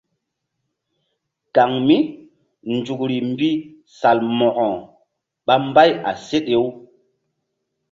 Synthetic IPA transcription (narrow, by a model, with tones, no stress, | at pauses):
ka˨ŋmi˦ | nd͡ʒu˨kɾi˨mbi˦ | sa˨lmɔ˨kɔ̃˨ | ɓa˦mba˦ja̰˨se˦ɗe˨˦w